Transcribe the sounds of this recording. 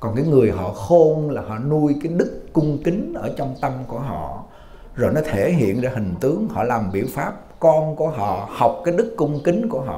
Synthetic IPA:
kɔ˨˩nkaː˨˦jŋɨ˨˩əjɦɔ̰˧˨xo˧nlaː˨˩ɦɔ̰˧˨nu˧əjkaː˨˦jɗɨ˦˥kːʊ˧ŋ͡mkï˨˦ŋ̟ʔəː˧˩t͡ɕɔ˧wŋ͡mt̪ə˧mku˧˩əɦɔ̰˧˨ | zo˨˩jnɔ˨˦t̪ʰe˧˩ɦḭ˧˨ənzaː˧hï˨˩ŋ̟t̪ɨ˨˦əŋhɔ̰˧˨laː˨˩mɓḭ˧˩əwfaː˦˥p̚kɔ˧nku˧˩əɦɔ̰˧˨ha˨˩wk͡p̚kaː˨˦jɗɨ˦˥kːʊ˧ŋ͡mkï˨˦ŋku˧˩əɦɔ̰˧˨

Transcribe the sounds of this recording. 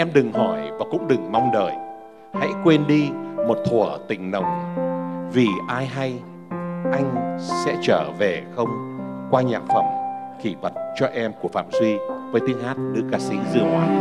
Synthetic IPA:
ʔɛ˧mɗɨ˨˩ŋhɔ˧˩jvaː˨˩kʊ̰˧˥ŋ͡mɗɨ˨˩ŋma˧wŋ͡mɗəː˨˩j | ha̰˧˥jkwe˧nɗi˧mo˨˩t̚t̪ʰu˧˩ət̪ï˨˩ŋ̟nə̰˨˩wŋ͡m | vi˨˩ʔaː˧jɦa˧j | ʔa˧jŋ̟sɛ̰˧˥t͡ɕəː˧˩ve˨˩xə˧wŋ͡mkwaː˧ɲa̰ː˨˩mfə˧˩mki˧˩və˨˩t̚t͡ɕɔ˧ʔɛ˧mku˧˩əfa̰ː˧˨mzwi˧vəː˨˦jt̪i˧əŋhaː˦˥t̚ɗɨ̰˧˥kaː˧˩sḭ˧˥zɨ˨˩əŋhwaː˨˦

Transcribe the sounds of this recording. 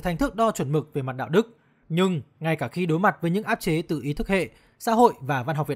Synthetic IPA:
t̪ʰa˨˩ŋ̟t̪ɨ˦˥k̚ɗɔ˧t͡ɕwə˧˩nmɨ˨˩k̚ve˨˩ma˨˩t̚ɗa̰ː˧˨wɗɨ˦˥k̚ | ɲɨ˧ŋŋa˨˩jkaː˧˩xi˧ɗo˨˦jma˨˩t̚vəː˨˦jɲɨ̰˧˥ŋʔaː˦˥p̚t͡ɕe˨˦t̪ɨ̰˧˨˩ʔi˨˦t̪ʰɨ˦˥k̚hḛ˧˨ | sa̰ː˧˥ɦo̰˧˨jvaː˨˩va˧nɦk͡p̚vḭ˨

